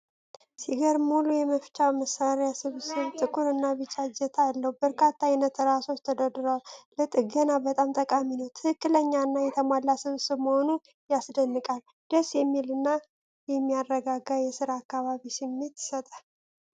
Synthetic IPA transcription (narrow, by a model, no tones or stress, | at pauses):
siɡəɾmulujɛməft͡ʃʼaməsːaɾejasɨβsɨβt̪ʼɨkʼuɾɨnːaβɨt͡ʃʼad͡ʒɛt̪ʰaalːəhubəɾkʰat̪ʰːajnət̪ɾaso̞t͡ʃt̪ʰəd̪əd̪ɨɾalət̪ʼɨɡənabət̪ʼamt̪ʼəkʼaminəwt̪ʰɨhɨkːɨləɲːaɨnːajɛt̪ʰəmalːasɨβsɨβməho̞nu | jasd̪ənːɨkʼal | d̪̥əsjɛmːilɨnːa | jɛmːijarːəɡaɡajɛsɨɾaːkːaβaβisɨmːe̞t̪sət̪ʼa